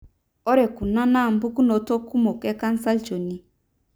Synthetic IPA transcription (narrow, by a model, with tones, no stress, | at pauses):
ɔ˦ɾɛ˨ku˨na˦na˦˨m˦bu˦ku˦no˨to˦ku˦mo˨kɛ˦ka˦n˦sa˦lt͡ʃo˨ni˦